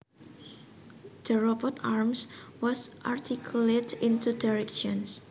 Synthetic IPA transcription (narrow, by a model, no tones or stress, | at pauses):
d̥əɹɔbɔt̪aɹmswɔsʔart̪ʰikʰulet̪ĩnt̪udaɹɛkʃɔ̃ns